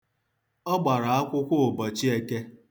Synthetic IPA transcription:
ɔ˦ɡ͡ba˨ɾa˨a˦kʷʊ˦kʷʊ˦o˨bɔ˨t͡ʃi˦e˦ke˦

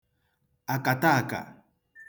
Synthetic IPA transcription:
a˨ka˨t̪a˦˨ka̰˨

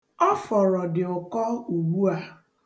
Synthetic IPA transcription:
ɔ˦fɔ˨ɾɔ˨dɪ˨ʊ˨kɔ˦u˨wu˦a˦

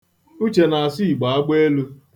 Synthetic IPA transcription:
u˦t͡ʃe˨na˨a˨si˦˨ɡ͡ba˨a˦ɡ͡be˦e˦lu˦

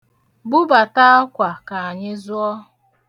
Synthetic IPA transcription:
bʊ˦ba˨ta˦ɔ˦kʷa˨ka˨a˨ɲɪ˦zʊ˦ɔ˦

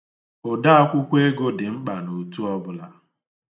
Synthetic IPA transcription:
o˨da˦a˦kʷʊ˦kʷe˦ɡo˦dɪ˨ŋ͡m̩˦k͡pa˨no˨tu˦ɔ˦bʊ˦la˦

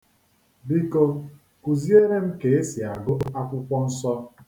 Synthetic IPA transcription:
bi˦ko˦ | ku˨zi˦e˦ɾe˦m̩˦ke˨e˦si˨a˨ɡʊ˦a˦kʷʊ˦kʷɔ˦n̩˦sɔ˦

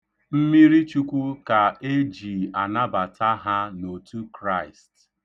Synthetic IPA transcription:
m̩˦mi˦ɾi˦t͡ʃu˦kʷu˦ka˨e˦d͡ʒi˨a˨na˦ba˨tʰa˦ɦa˦no˨tu˦kɾa˦˨ɪ˨st

